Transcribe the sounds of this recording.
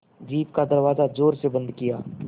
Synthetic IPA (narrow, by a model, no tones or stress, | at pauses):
d͡ʒiːp̚kad̪ɐɾʋaːzad͡ʒoːɾsebɐ̃nd̪kɪjaː